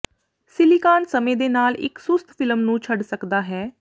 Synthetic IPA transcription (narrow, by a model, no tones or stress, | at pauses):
sɪlikaːnsəmẽːd̪eːnaːlɪ̰ksʊst̪ʰpʰɪləmnũːt͡ʃʰəɖsəkd̪aːɦɛː